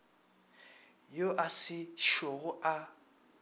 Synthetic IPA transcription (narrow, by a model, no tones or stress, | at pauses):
joʔasɪʃoɣʊa